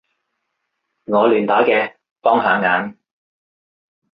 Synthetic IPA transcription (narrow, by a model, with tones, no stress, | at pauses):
ŋɔː˨˧lyː˨˩nt̪aː˨˥kɛː˧ | pɔː˥ŋɦaː˨˥ŋaː˨˥n